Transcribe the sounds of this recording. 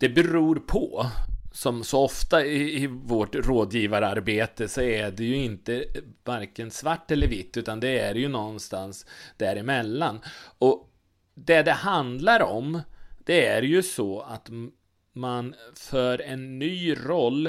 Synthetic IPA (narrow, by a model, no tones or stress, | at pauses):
d̪̥ɛbɛɾuːɾpʰɔsɔmsɔɔft̪aɪɪvoːʈɾoːd̪jiːvaɾəaɾbeːt̪əsɔæɖɛjɵɪnt̪əvaɾkənsvaʈːɛlːəɾvɪt̪ːʉ̟ːt̪and̪ɛæɾjɵnɔnːst̪ansd̪̥æɾɪmɛlːanɔ | d̪ɛd̪ɛhand̪laɾɔmd̪̥ɛæɾjɵsɔat̪ | manfœːɾɛnːyːɾɔlː